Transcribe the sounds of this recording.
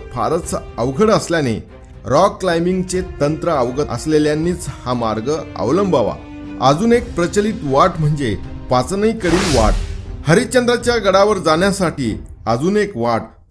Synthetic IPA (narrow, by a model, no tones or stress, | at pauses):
fa̰ɾət͡səʋɡʱəɽəsljanḛ | ɾɔkːlajmiŋɡt͡ɕet̪ənt̪ɾəəʋɡəə̰sleljãnːiːt͡shamaɾɡəə̰ʋləmbʱaʋa̰ | əd͡zuːnek̚pɾət͡ɕəliːt̪ʋaʈm̤əɳd͡zepat͡snəjkəɽiːlʋa̰ʈhəɾit͡ɕənd̪ɾat͡ɕjaɡəɽaʋəɾd͡zaɳjasaʈiː | əd͡zuːnekʋaʈ